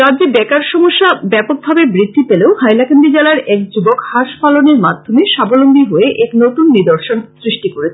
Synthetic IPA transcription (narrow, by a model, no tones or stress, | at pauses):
ɾad͡ʑebɛkaɾʃɔmoʃːabɛpok̚bʱabebɾid̪ʱːipeleohajlakand̪id͡ʑalaɾɛk̚d͡ʑubokhaʃpaloneɾmad̪ʱːomeʃabolomɡiɦoeʔɛknot̪unːid̪oɾʃonsɾiʃʈikoɾet͡ɕʰe